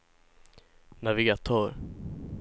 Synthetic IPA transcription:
navɪɡat̪ʰœːɾ

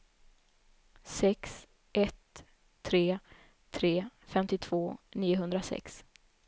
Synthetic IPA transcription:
sɛks | ʔɛt̪ʰː | ɾeː | t̪ʰːɾeːfɛmt̪ɪt̪ʰv̥oːniːʊɦɵnd̪ɾasɛ̰ks

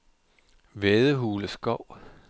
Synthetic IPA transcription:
ʋeðˠəɦuːləsɡ̥ɒʊ̰

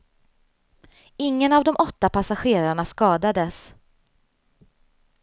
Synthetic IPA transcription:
ɪŋːənavd̪ɔmʔɔt̪ːapʰasaɧeːɾaɳaskɑːd̪ad̪əs

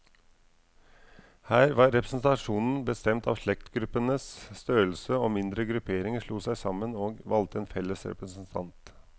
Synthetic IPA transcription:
hæːɾʋɑːɾɛpɾəsnt̪ɑʂuːnn̩bəst̪ɛmt̪ʰɑ̰ːʋʂɭɛkt̪ɡɾʉpːənəsst̪øːəlsəoːmɪnd̪ɾəɡɾʉpʰeːɾɪŋəʂɭuːsæɪsɑmːənoːɡʋɑlt̪əeːnfɛlːəsɾɛ̰pɾəsn̩t̪ʰɑ̰nt̪

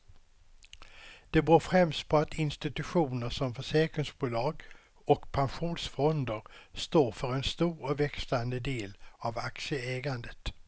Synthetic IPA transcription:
d̪̥ɛbɾoːfɾɛmst̪̚pʰɔat̪ʰɪnst̪ɪt̪ɵɧuːnəʂɔmfœʂɛːkɾɪŋsbuːlɑːɡ | ɔkpʰanɧuːnsfɔnd̪əɾst̪oːɾfœɾɛnst̪uːɾɔvɛksland̪əd̪eːlavaksəɛːɡand̪ət̪

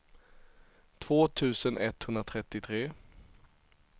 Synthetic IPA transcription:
t̪ʰv̥oːt̪ʰʉ̟ːsənʔɛt̪hɵnd̪ɾat̪ʰɾɛt̪ːɪt̪ʰɾeː

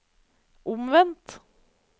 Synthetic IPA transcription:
ʔʊmʋɛnt̪

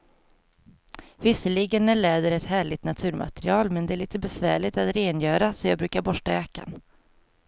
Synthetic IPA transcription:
vɪsəlɪɡənːæɭɛːd̪əɾɛt̪hæːɭɪɡt̪nat̪ʰʉ̟ːɾmʔa̰t̪ɾɪɑːlmɛnd̪ɛæɭiːt̪əbɛsvæ̰ːɭɪt̪at̪ɾeːnjœːɾasɔjɑːɡ̚bɾʉ̟ːkaɾbɔʂʈaøːka̰n

